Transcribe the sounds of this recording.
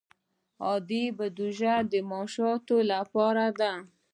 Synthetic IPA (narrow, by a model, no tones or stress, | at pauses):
ɑd̪ibad̪uʒad̪əmɑʃɑt̪olapɑɾad̪a